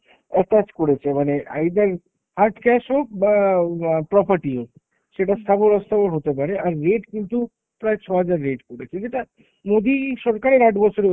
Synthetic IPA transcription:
ɛʈat͡ɕkoɾet͡ɕʰemanea̰jd̪aɾ | haɾʈkɛʃo | pɾɔpaɾʈio | ʃeʈast̪ʰaboɾɔst̪ʰaboɾɦot̪ep̬aɾeaɾːeʈkint̪u | pɾaet͡ɕʰɔɦad͡ʑaɾːeʈkoɽet͡ɕʰed͡ʑeʈa | mod̪iʃɔɾkaɾeɾaʈbɔt͡ɕʰoɾe

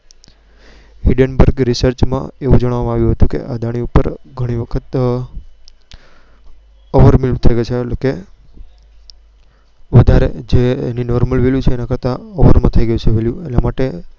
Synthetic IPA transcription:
ɦiɖənbəɾɡɾisəɾt͡ʃmã̰eʋud͡ʒəɽ̃ʋamãaʋjũɦət̪ũkḛʔad̪ʱaɽ̃iupəɾɡʱəɽ̃iʋəkʰət̪ | ɔʋəɾmilmt̪ʰəjɡəjt͡ʃʰeke | ʋəd̪ʱaɾḛd͡ʒeninɔɾməlʋeljut͡ʃʰeːnakəɾt̪aɔʋəɾmãt̪ʰəiɡəjũt͡ʃʰeʋeljuenamaʈe

